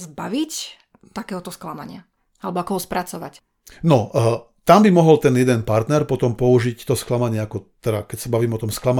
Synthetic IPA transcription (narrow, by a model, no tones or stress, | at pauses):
zbaʋic | t̪akɛːɦɔt̪ɔsklama̰ɲɪa | alɛbɔakɔɦɔspɾat͡sɔʋa̰c | nɔ | t̪ambimɔɦɔlt̪ɛnjɛd̪ɛnpaɾt̪nɛɾpɔt̪ɔmpɔuʒict̪ɔsklamaɲɪɛakɔt̪ɛd̪a̰kɛcsabaʋiːmɛɔt̪ɔmsklama